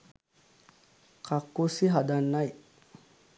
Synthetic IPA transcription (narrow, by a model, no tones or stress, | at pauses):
kakːosiɦadanːaj